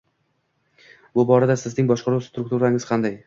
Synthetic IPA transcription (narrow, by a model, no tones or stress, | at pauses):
bʊbɒɾad̪asɪznɪŋbɒʃqʰɑɾuwst̪ɾʊk̚t̪uɾaɪŋɪz̥qʰɑnd̪aj